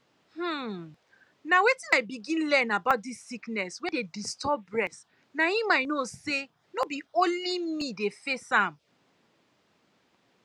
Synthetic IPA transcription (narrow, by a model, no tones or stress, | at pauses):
hm̩ | nawetĩnabiɡĩnlɛ̃nabaʊt̚disːiknɛswɛ̃dedistɔbɹɛs | nahimaɪnose | nobiõnllimidefesãm